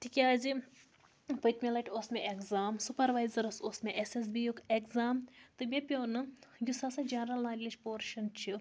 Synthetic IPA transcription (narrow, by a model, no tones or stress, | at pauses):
ʈʰikʲaːzʲi | pət̪ʲmʲelɐʈʲʰoːsmʲeʔekzaːmsupɐɾʋaːjzɐɾɐsoːsmʲeʔeses̬bijukekzaːmt̪ɨmʲepʲjoːnɨjusasɐd͡ʒɐnɾɐlnaːɾʲilʲiʃpoːɾʃɐnt͡ʃʰi